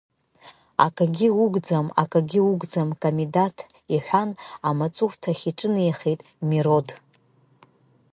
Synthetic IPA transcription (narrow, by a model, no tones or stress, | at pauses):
a̰kʼaɡʲiuɡʷd͡zama̰kʼaɡʲiuɡʷd͡zamkʼamidatʰ | iħʷᶣanamat͡sʼukʷtʰaχʲiʈ͡ʂʼɨnjχejtʼ | miɾo̞d